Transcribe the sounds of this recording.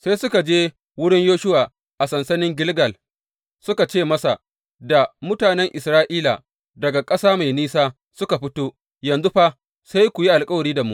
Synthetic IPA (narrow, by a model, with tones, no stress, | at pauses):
sa˦sʊ˦ka˨d͡ʒeː˦ | wʊ˦ɽɪ˦ɲjoː˦ʃʊ˦waː˨ | ʔa˨sɐ˨nsɐ˦nɪ˦ŋɡʲɪ˦lɡɐ˨l | sʊ˦ka˨t͡ʃeː˦˨mɐ˦sa˨ | da˨mʊ˦taː˨nɛ˦ŋʔɪ˨sɾaː˦ʔiː˦la̰˨ | dɐ˨ɡa˨kʼɐ˦saː˦ma˨jniː˦saː˦ | sʊ˦ka˨ɸɪ˦toː˦ | jɐ˨nzu˦ɸa˦ | sa˦jkʷu˨ji˦ʔa˨lkʼɐ˦wɐ˨ɽiː˦da˨mṵ˦